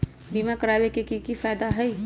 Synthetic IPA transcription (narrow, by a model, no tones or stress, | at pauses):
biːmakəɾaːwekekikifaːd̪aɦɛi